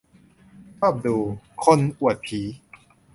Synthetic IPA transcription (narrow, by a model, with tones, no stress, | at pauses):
t͡ɕʰɔː˥˩p̚duː˧kʰo˧nʔu˨˩ət̪̚pʰiː˩˦